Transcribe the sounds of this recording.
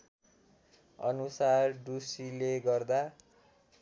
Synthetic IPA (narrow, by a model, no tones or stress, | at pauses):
ʌ̰nusarɖusileɡʌrd̪a